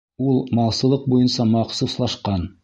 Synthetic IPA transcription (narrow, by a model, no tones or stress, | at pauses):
ulˠmɑlˠsɤ̆lˠɤq̚bujɤnsɑmɑqsuslˠɑʃqɑn